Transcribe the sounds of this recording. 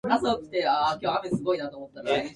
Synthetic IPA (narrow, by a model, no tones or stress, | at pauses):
kasokɯ̟̥t̪eaːkʲoːame̞sɨɡo̞inat̪o̞ːmot̪ːaɾ